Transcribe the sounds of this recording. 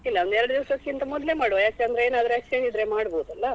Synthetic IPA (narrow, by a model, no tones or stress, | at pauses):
ilːɐond̪ɛɾɐɽd̪iʋɐsɐkːint̪ɐmɔd̪lemaːɽojaːk̚t̪eɐnd̪ɾeeːnaːd̪ɾeksʈeɳd͡ʒid̪ɾemaːɽboːd̪uɐlːɐ